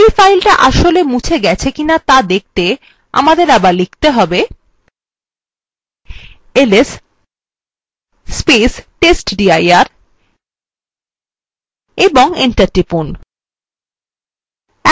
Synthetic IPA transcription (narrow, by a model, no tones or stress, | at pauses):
ifajlʈaʔaʃolemũt͡ɕʰeɡɛt͡ɕʰekinat̪ad̪ek̚t̪e | a̰mad̪eɾabaɾlik̚ʰt̪eɦɔbe | eles | spesʈesʈɖiajaɾ | eboŋiɳʈaɾʈɾipun | ɛ